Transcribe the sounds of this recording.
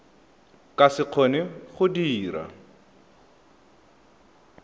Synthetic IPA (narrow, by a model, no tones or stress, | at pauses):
kʼasɪq͡χʰɔnɪχʊdiːɾa̰